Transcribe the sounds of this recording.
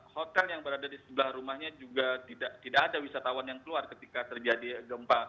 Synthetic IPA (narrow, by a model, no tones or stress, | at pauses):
hot̪ɛljaŋbəɾadadisəbəlahɾumahɲad͡ʒuɡat̪idaʔt̪idaʔːdawisat̪awanjaŋkəluarkət̪ikat̪ərd͡ʒadiɡəmpa